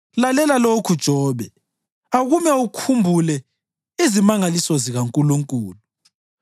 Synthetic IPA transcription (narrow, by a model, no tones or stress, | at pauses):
lalɛlalokʰud̥ʒ̥ʱɔːβɛ | aɣumɛukʰumbʱulɛ | izimaŋalisɔziɣaŋkʼuluŋkʼuːlu